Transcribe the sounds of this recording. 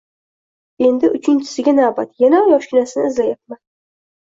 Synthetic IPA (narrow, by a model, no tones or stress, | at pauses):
e̞nd̪ɪʔʊt͡ʃʰɪnt͡ʃʰɪ̥sɪɡʲanabat̪janajɒʃkʲɪnasɪnɪːzlajap̚man